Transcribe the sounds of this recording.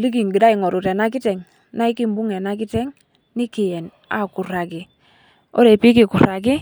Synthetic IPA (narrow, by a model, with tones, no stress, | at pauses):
li˦k̬i˨ŋɡi˨da˦i˨ŋɔ˨ɾu˨te˨na˦k̬i˦tɛ˨ŋ | na˦i˦ki˦mbu˦ŋe˨na˦k̬i˦tɛ˦ŋ | ni˦ki˨jɛ˨n | a̰˨ku˨ɾa˨ki˨ | o̰˦ɾe˨pi˦ki˦˨ku˨ɾa˨ɡ̬i˦